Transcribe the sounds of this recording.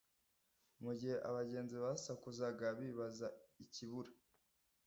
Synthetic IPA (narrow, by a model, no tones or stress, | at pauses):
muɟiheʔaβaɟe̞ːnziβasakuzaɡaβiβazaiciβuɾa